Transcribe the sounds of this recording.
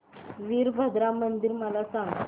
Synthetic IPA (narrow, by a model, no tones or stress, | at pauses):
ʋiːɾbʱəd̪ɾamənd̪iɾməlasãŋɡ